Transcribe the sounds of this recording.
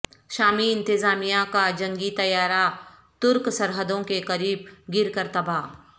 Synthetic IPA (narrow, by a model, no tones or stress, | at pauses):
ʃaːmiɪ̃nt̪ɪzaːmijakad͡ʒɐ̃ŋɡit̪ɐjaːɾa | t̪ʊɾksɐɾɦəd̪õkekɐɾiːb̚ɡɪɾkəɾt̪ɐbaː